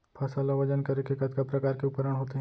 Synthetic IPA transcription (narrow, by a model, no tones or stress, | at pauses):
pʰɐsaːlaʋɐd͡ʒənkɐɾekekɐt̪kapɾɐkaːɾkeʊpəɾəɽ̃ɦoːt̪eɦ